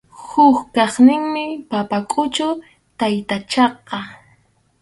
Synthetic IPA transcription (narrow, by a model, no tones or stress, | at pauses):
hʊkkɑχnɪŋmɪpapakʼʊt͡ʃʊ | t̪ajt̪at͡ʃɑqːɑ